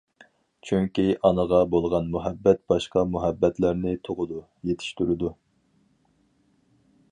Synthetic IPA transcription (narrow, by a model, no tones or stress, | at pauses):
t͡ʃʰyŋkʲiʔɑnəʁɑbolˠʁɑnmuɦɛbːɛt̪̚b̥ɑʃqɑmuɦɛbːɛt̪læɾnɪt̪ʰoʁʊd̪u | jet̪ʰɪ̥ʃt̪yɾɪd̪u